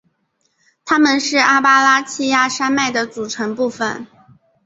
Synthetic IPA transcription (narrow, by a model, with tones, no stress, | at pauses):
t̪ʰa˥mə˨nʂɻ̩˥˩a˥pa˥la˥t͡ɕʰi˥ja˥˩ʂa˥nma˥˩ɪd̪ə˩t͡su˨˩ʈ͡ʂʰɤ˧˥ŋpu˥˩fə̰˨˩n